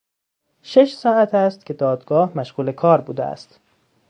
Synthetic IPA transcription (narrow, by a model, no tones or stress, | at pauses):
ʃe̞ʃsɒːæt̪ʰæst̪̚cʰʲe̞d̪ɒːd̪ɡɒːhmæʃɣ̥uːle̞kʰɒːɾbuːd̪ḛæ̰st̪